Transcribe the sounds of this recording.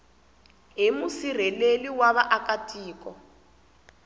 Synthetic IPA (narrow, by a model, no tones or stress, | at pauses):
ɦimusir̤ɛleliwaβaʔakatʼiːkɔ